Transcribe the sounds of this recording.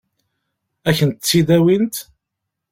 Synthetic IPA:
æçənt̪ət͡sːiðæwint̪

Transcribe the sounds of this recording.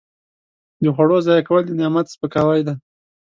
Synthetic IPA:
d̪əxwaɽozɑjakawəld̪ənjɑmat̪spəkawajd̪a

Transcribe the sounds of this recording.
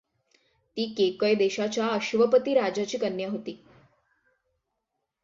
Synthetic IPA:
t̪iːkekəjd̪eɕat͡ɕjaəɕʋəpət̪iːɾad͡ʑat͡ɕiːkənjaɦot̪iː

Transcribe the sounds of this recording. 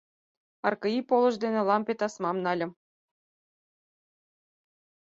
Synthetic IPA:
ɑrkɤ̆ipolˠɤ̆ʒd̪enĕlˠɑmpʲet̪ɑsmɑmnɑlʲɤ̆m

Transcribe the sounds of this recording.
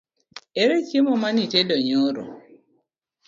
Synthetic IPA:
eɾekimɔmanitedɔɲoɾo̰

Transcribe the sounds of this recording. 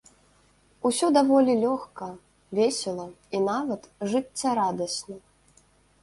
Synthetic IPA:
usʲɔd̪avɔlʲilʲɔxkɐ | vʲesʲɛlˠɐ | inavɐt̪ʐɨt͡sʲːaɾad̪ɐsʲnɐ

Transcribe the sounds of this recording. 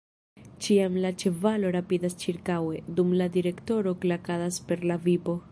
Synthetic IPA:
t͡ʃiamlat͡ʃe̞valoɾapidast͡ʃiɾkawe̞dumladiɾe̞kto̞ɾo̞klakadaspe̞ɾlavibo̞

